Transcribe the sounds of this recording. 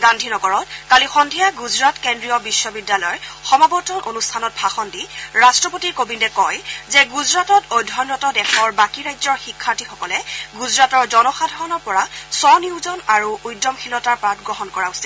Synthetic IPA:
ɡandʱinɔɡɔɹɔt̚kalixɔndʱijaɡuzɹatkendɹijɔbisːɔbidːalɔjxɔmabɔtɔnʔonustʰanɔt̚bʱaxɔndiɹastɹɔpotiɹkobindɛkɔjzɛɡuzɹatɔtojdʱɔnɹɔtɔdɛxɔɹbakiɹajzɔɹxikʰːaɹtixɔkɔlɛɡuzɹatɔɹzɔnɔxadʱɔɹɔnɔɹpɔɹasɔniʊzɔnaɹuujdɔmxʰilɔtaɹpɹatɡɹɔɦɔnkɔɹausil

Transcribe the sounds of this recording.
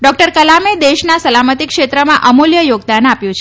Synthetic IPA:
ɖɔk̚ʈəɾkəlamed̪eʃnasəlamət̪ikʃet̪ɾəmãʔəmoljəjoɡd̪anapjũt͡ʃʰe

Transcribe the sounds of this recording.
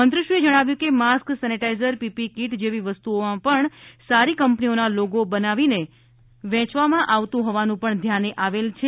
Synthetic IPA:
mənt̪ɾəʃued͡ʒəɽ̃aʋjũkemasksɛniʈaizəɾpipikiʈd͡ʒeʋiʋəst̪uomãpəɳsaɾikəmpnionaloɡobənaʋine | ʋɛ̃t͡ʃʋamãʔaʋt̪ũɦɔʋanũpəɳd̪ʱjaneʔaʋelt͡ʃʰe

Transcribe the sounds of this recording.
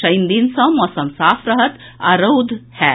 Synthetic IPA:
ɐjnd̪insɔ̃mɔsɐmsaːfʰɾəɦət̪ | aɾowd̪hɛ

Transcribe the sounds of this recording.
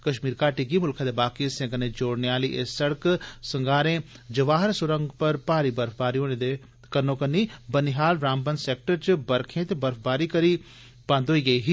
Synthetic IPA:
kɐʃmiːɾkaːʈiɡimʊlkʰaːd̪ebaːkĩsẽɡɐnẽd͡ʒoːɽnejaːliʔesɐɽksɐŋɡaːɾẽ | d͡ʒɐʋaːɦəɾsʊɾə̃ŋɡpɐɾpaːɾibɐɾfbaːɾiõned̪e | kɐnõːkɐnibɐniɦaːlɾãːmbɐnseːk̚ʈəɾt͡ʃbɐɾkʰẽːt̪ebɐɾfbaːɾikɐɾi | baːnd̪oːiɡɐiɦi

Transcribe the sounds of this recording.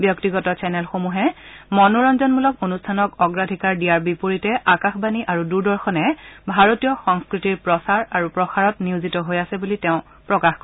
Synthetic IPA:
bjɔktiɡɔtɔsɛnɛlxomuɦɛmɔnuɹɔnzɔnmulɔkonustʰanɔkɔɡɹadʱikaɹdijaɹbipoɹitɛʔakaxbaniʔaɹuduɹdɔɹxɔnɛbʱaɹotijɔxɔŋskɹitiɹpɹɔsaɹaɹupɹɔxaɹɔtniuzitɔɦojasɛbulitɛʊ̃ | pɹɔkaxkɔ

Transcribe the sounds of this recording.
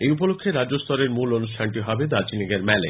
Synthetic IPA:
ejupolokʰːeɾad͡ʑost̪ɔɾeɾmulonuʃʈʰanʈiɦɔbed̪at͡ɕiniɡeɾmɛle

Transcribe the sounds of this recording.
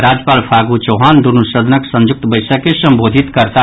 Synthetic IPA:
ɾad͡ʒjəpaːlpʰaɡut͡ʃoɦand̪uɾnusəd̪ʱənəksə̃nd͡ʒʊk̚t̪bəɪsəkːesə̃mbod̪ʱit̪kəɾt̪a

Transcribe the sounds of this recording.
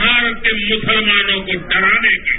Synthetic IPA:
aːɾək̪emʊsəlmaːnõkotɐɾaːneke

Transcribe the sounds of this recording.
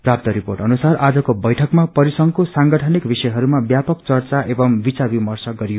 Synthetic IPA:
prap̚t̪ʌɾiporʈʌnusarad͡zʌkobʌjʈʰʌkmapʌɾisʌŋkosaŋɡʌʈʰʌnikbisʌjɦʌɾumabjapʌkt͡sʌrt͡saʔebʌmbit͡sabimʌrsʌɡʌɾijo

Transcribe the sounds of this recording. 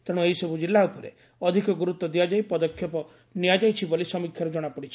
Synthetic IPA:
t̪aɽ̃uejsɔbʱud͡ʒilːaupɔɾḛ | ɔd̪ʱikɔɡuɾut̪ːɔd̪iad͡ʒajpɔd̪ɔkʰjɔpɔ | niad͡ʒajt͡ʃʰibolisɔmikʰjaɾɔd͡ʒɔɽ̃apɔɽit͡ʃʰi̥

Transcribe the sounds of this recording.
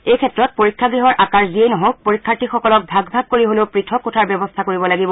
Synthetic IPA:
ejkʰɛtɹɔt̚poɹikʰːaɡɹiɦɔɹʔakaɹziejnɔɦok̚poɹikʰːaɹtixɔkɔlɔk̚bʱaɡbʱab̚koɹiɦoleʊpɹitʰɔkːutʰaɹbjɛbɔstʰakoɹibɔlaɡibɔ

